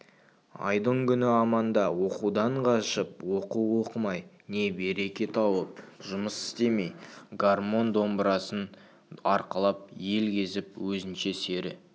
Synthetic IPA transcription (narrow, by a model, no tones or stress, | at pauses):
ɑ̰jd̪əɴkʲʰʏnɪɑmɑnd̪ɑwo̞qud̪ɑɴqʰɑʃəp̚wo̞quwwo̞qəmɑj | ne̞be̞ɾe̞kʲe̞t̪ʰɑwəp̚ʒʊməsɪ̥st̪e̞me̞jɡarmo̞nd̪o̞mbɾɑsən | ɑɾqəlˠɑp̚je̞lɡʲe̞zɪp̚wɵzɪnʃe̞se̞ɾɪ